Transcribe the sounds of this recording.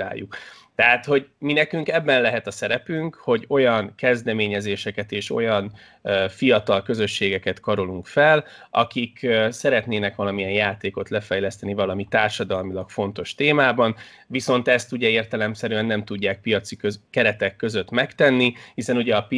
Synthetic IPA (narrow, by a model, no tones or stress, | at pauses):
a̰ːjːukt̪ɛɦaːt̪ho̞ɟminɛkyŋkɛbːɛnlɛɦɛt̪ɒsɛɾɛpyŋkho̞ɟo̞jɒnkɛzd̪ɛmeːɲɛzeːʃɛkɛt̪eːʃo̞̰jɒn | fijɒt̪ɒlkø̞zø̞ʃːeːɡɛkɛt̪kɒɾoluŋkfɛlɒ̰kiksɛɾɛt̪neːnɛkʋɒlɒmiɛnjaːt̪eːko̞t̪lɛfɛjlɛst̪ɛnivɒlɒmit̪aːrʃɒd̪ɒlmilɒkfo̞n̪t̪o̞ʃt̪eːmaːbɒn | viso̞nt̪ɛst̪uɟɛeːrt̪ɛlɛmsɛɾyɛnːɛmt̪uɟːaːk̚pijɒt̪sikøkɛɾɛt̪ɛkːø̞zø̞t̪mɛkt̪ɛnːihisɛnuɟɛɒp